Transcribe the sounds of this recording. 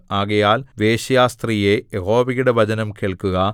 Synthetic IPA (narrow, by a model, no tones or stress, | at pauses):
aːɣɐjaːlʋeːɕɐjaːst̪rijejehoːʋiɣuɽeʋɐd͡ʑɐnɐmkeɭkuɣɐ